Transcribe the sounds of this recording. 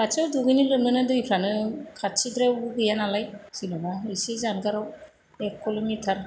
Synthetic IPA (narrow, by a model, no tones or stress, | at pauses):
at͡ʃɯwduɡɯjnilɯnɯnɯdɯjpʰɾanɯkʰasʰidɾebuɡɯjanalajsinɔbaɯjsezanɡaɾaw | ekːɔlɔmitʰaɾ